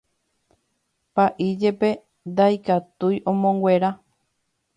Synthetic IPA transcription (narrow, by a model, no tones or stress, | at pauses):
paʔid͡ʒe̞pe̞ | d̪ajkat̪ujʔõ̞mõ̞ŋɡwe̞ɾa